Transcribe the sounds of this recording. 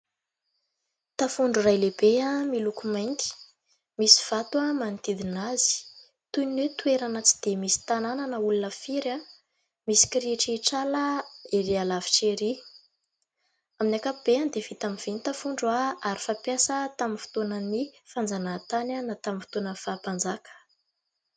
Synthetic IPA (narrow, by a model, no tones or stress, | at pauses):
t̪afuɳɖ͡ʐurajleb̥eamilukumajŋki̥ | misi̥v̥at̪uamanit̪id̪inazi̥ | t̪unwet̪ueɾanat͡si̥d̪̥emisi̥t̪anananəulunəfiɾa | misi̥kiɾeʈ͡ʂeʈ͡ʂaləeɾialavi̥ʈ͡ʂeɾi | aminakapub̥eand̪ev̥it̪amiv̥enit̪afuɳɖ͡ʐuaaɾi̥fapjasət̪aminfu̥t̪onənifand͡zanat̪ananat̪amifi̥t̪onəfapand͡zakə̥